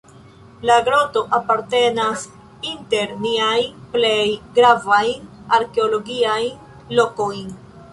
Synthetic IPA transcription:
laɡɾoto̞ʔapaɾte̞nas | inte̞ɾniajple̞jɡɾavaj | aɾke̞olo̞ɡiaj | lo̞ko̞jn

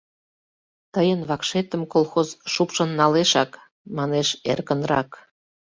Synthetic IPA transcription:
t̪əjənβɑkʃet̪ə̆mkolˠxozʃupʃə̆nːɑleʃɑk | mɑneʃḛrkənrɑ̰k

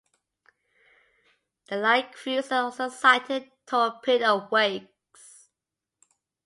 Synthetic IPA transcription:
ðəlaɪkfjisɔlsoʊsaɪtʰɪd̚tʰəəpʰɪtəvweɪk | s

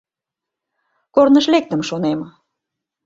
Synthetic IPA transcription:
kornəʃlek̚t̪əmʃonem

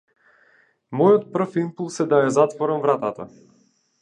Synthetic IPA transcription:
mɔjɔt̪̚pr̩fimpulˠsɛd̪ajazat̪vɔɾamvɾat̪at̪a̰

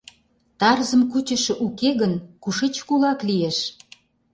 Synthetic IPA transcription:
t̪ɑrzə̆mkut͡ɕə̆ʃĕʔukeɣənkuʃit͡ɕkulɑklieʃ

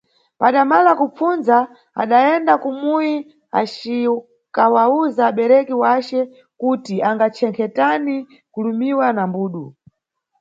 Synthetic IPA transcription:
paɗamalakup͡funza | a̰ɗaɛndakumuji | a̰t͡ʃi | kawauzaːɓɛɾɛkiwat͡ʃɛ | kutiaŋɡat͡ʃʰɛŋkʰɛtani | kulumiwanambuːɗu

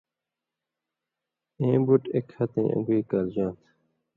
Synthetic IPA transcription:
ẽːbuʈekhɐt̪ḛ̃ːʔə̰̃ŋɡiːkald͡ʑãːnt̪ʰ

